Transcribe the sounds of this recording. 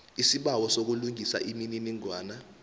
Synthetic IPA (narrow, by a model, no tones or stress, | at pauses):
isiɓawɔsok̬uluŋʱisa̰ʔimininiŋwaːna